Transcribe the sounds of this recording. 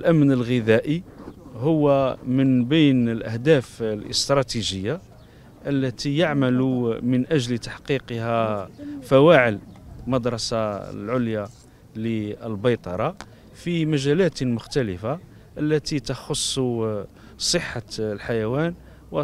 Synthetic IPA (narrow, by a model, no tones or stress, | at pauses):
əlʔæmnəlɣəðæʔihʊwːæmənbijnəlʔæhd̪æflʔə̰st̪ɾˤɑt̪iʒəjːa | ʔəlːæt̪ijaʕmælumənʔæʒlt̪aħqiqhæfæwaʕəlmɑd̪ɾˤɑsalʕʊlja | liəlbɑjt̪ˤɑɾˤɑ | fimæʒælæt̪mʊxt̪æləfa | ʔəlːæt̪it̪əxosˤː | sˤəħːalħajæwæn | wə